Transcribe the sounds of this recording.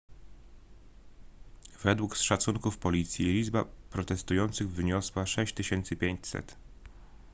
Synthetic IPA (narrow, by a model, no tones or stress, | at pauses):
vɛd̪wuksʂat̪suŋkufpɔlʲit̪sʲjilʲizba̰pɾɔt̪ɛst̪ujɔnt̪sɘɣvɲɔswaʂɛɕt͡ɕt̪ɘɕɛnt̪sɘpʲjeɲt͡ɕsɛ̰t̪